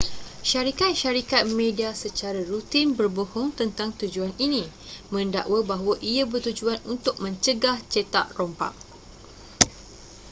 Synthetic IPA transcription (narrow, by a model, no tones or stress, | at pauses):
ʃaɾikat̪̚ʃaɾikat̪̚mẽdiasət͡ʃaɾarut̪inbərbohɔŋt̪ənt̪aŋt̪ud͡ʒuaninĩmə̃nda̰ʔwəbaɦwaʔiabərt̪ud͡ʒuanunt̪ʊk̚mə̃ɲt͡ʃəɡaht͡ʃet̪a̰ʔrompa̰ʔ̚